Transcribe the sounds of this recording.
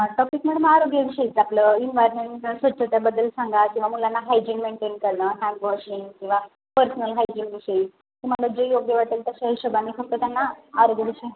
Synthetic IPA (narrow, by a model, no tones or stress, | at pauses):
ʈɔpik̚meɽəmaɾoɡjaʋiɕəit͡sapləinʋajɾmeɳʈsʋət̪ːɕʰət̪abəd̪əlsaŋɡakĩʋamulanːaɦajd͡ʑinmeɳʈenkəɾɳəɦɛ̃mpʋɔɕiŋɡkĩw̃ʋa | pəɾsənəlɦajd͡ʑinʋiɕəi | k̪ĩm̤əɡlad͡ʑejoɡjəʋaʈiːlt̪əɕaɦəɕəbanifʰək̚t̪əːt̪janːaːɾoɡjaʋiɕəi